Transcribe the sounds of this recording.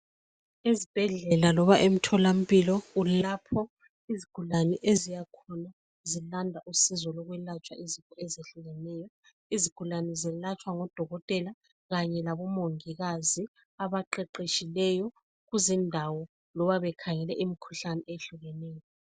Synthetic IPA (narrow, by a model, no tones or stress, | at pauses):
ezib̥ʱɛɮɛlalɔβaʔem̩tʰɔlam̩pilɔulapʰɔ | iziɡ̥ʰʱulanɛʔezijakʰɔna | zilandʱaʔusizɔlɔɣwɛlat͡ʃʼwa̰ʔizintʼɔɛzeɬuɣɛnɛjɔ | iziɡ̥ʱulanɛzɛlat͡ʃʰʼwaŋɔd̥ʱɔɣɔtʼɛla | ɣaɲɛlaβɔmoŋiɣazi | aβaǃɛǃeʃilɛjɔ | ɣuzindʱawɔ | lɔβaβɛkʰaŋɛlɛ̰ʔimikʰu̥ɬanɛʔeɬuɣɛnɛːjɔ